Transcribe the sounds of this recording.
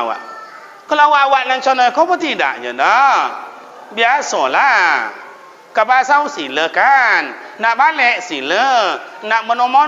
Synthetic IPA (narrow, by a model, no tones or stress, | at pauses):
wa̰ʔ | kəlawawaʔnaŋt͡ʃɔnɔkɔbɔt̪ida̰ʔɲə̰dɔ | biasɔla | kabasawsiləkanːaʔbalɛʔsilənaʔmənɔmɔ